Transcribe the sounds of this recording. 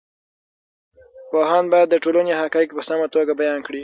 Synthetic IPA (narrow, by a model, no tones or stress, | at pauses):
poɦɑnbɑjad̪ːəʈolənehakɑjikpəsamat̪oɡabajɑnkɽi